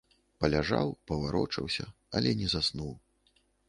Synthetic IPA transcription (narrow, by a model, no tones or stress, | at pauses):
pɐlʲaʐa̰wpɐvaɾɔ̰t͡ʂɐwsʲɐ | ɐlʲɛnʲɛzasnuw